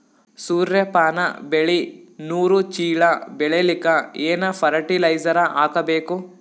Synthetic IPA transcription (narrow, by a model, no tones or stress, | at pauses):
suːɾjɐpaːnɐbeɭinuːɾut͡ʃiːɭɐbɛɭelikɐeːnɐpʰɐɾɐʈilɐjd͡ʒɐɾɐʔaːkɐbeːku